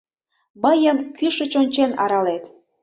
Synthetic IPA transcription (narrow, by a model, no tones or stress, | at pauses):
məjəmkyʃə̆t͡ɕonʲt͡ɕenɑ̰ɾɑlet̪